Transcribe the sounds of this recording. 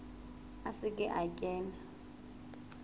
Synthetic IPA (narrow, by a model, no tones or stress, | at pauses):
asɪkʼɪʔacʼɛːna